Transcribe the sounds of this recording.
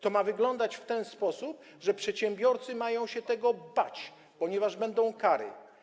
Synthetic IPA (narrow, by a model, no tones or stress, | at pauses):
t̪ɔmavɘɡlɔnd̪at͡ɕft̪ɛnspɔsup̚ | ʐɛpʂɛt̪ɕɛmbʲjɔɾt̪sɘmajɔ̃w̃ɕɛt̪ɛɡɔbat͡ɕ | pɔɲɛvaʐbɛnd̪ɔ̃w̃kaɾɘ̰